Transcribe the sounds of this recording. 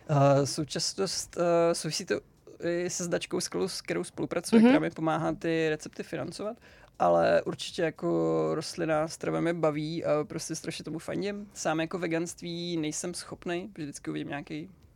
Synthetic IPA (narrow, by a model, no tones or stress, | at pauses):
əso̞wt͡ʃasnost̪sowvɪsiːt̪o | ʔɪsɛzdat͡ʃkowsklowsk̚t̪ɛɾowspolupɾʔat͡sujɛkt̪ɛɾaːmɪpo̞maːɦaːt̪ɪɾɛt͡sɛp̚t̪ɪfɪna̰nt͡sovat̪ʔalɛ̰ʔuɾt͡ʃɪ̥cɛjakoɾost̪lɪnast̪ɾovɛmjɛbaviːʔapɾoscɛst̪ɾʔaʃɲɛt̪omufa̰ɲɟɪmsaːmjako̞vɛɡanst̪viːnɛjsɛmsxo̞pnɛjvʒdɪt͡skɪʔuvɪɟɪmɲaːkɛj